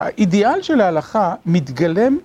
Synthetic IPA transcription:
a̰ʔidealʃelaːlaχamit̪ɡale̞m

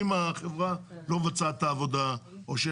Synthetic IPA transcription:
imaχevʁalo̞vat͡sat̪aːvo̞d̪aoʃe

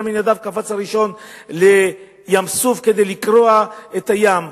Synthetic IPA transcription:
minjad̪avkafat͡shaʁiʃo̞nle̞ | jamsuvked̪ejlikɾoaet̪ajam

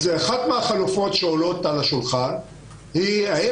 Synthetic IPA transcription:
zeaχat̪meaχalufo̞tʃeolo̞t̪alaʃulχan | hiai

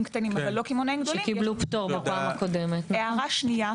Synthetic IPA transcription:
mkt̪animavalːokimonejmɡd̪olikiblupt̪oʁbapaːmakod̪emet̪eaʁaʃnija

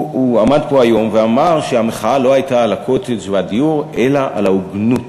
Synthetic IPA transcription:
uamad̪po̞ajo̞mveamaʁʃeameχaalo̞ajtaːlakʰot̪esvadiuʁʔelaʔa̰lauɡnut

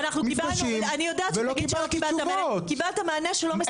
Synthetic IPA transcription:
naχnumifbaaʃimanijodaːvelokialt̪ibaluokibalt̪amaːneʃelome

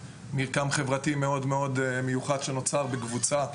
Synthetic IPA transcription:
miʁkamχevʁat̪imeo̞d̪me̞o̞d̪mejuχad̪ʃeno̞t͡saʁbekvut͡sa

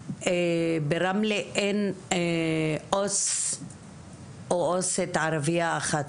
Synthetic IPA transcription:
ebeɾamleʔen | os | ooset̪ʕaɾaviaːχat̪

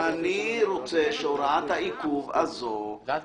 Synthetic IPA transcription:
aniɾot͡seʃoɾat̪haikuva̰zo

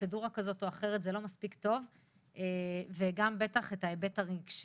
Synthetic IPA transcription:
eduʁakazo̞toaχe̞ʁetzelo̞maspikt̪o̞v | eveɡambe̞taχetaebetaʁiɡʃ

